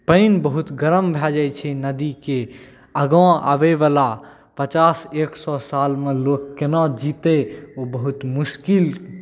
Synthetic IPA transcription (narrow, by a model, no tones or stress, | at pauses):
pəɪnbəɦut̪ɡəɾəmbʱɛd͡ʒajt͡ʃʰɛnəd̪ike | əɡõa̰bebala | pət͡ʃaseksɔsalmelokːenɔd͡ʒit̪eobəɦut̪muskil